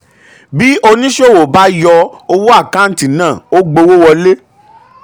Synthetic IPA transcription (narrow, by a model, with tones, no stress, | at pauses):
bi˦ʔo˧nĩ˦ʃo˦˨wo˨ba˨˦jɔ˧o˧wo˦a˦˨kã˦n̩˦ti˦˨nãː˦˨o˦ɡ͡bo˧wo˦wɔ˧le˦